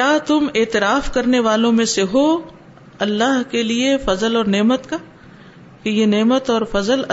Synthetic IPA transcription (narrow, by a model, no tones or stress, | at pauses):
aːt̪ʊmeːt̪ɪɾaːfkɐɾneʋaːlõmẽseɦo | ɐlːaːɦkeliefɐzəlɔːɾneːmət̪ka | kejeneːmət̪ɔːɾfɐzəl